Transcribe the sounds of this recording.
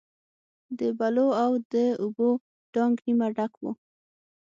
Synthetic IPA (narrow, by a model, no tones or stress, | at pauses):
d̪əbaloawd̪əʊbo | ɖ̥ɑŋɡnimaɖakwo